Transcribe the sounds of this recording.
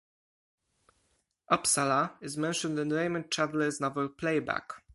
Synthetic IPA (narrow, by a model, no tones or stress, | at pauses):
ʔɔpsalaɪzmɛ̃nʃə̃ndɨ̃nɹẽɪ̃mə̃ntʰɹavəlɪznʌvə˞pʰleɪbæ̰k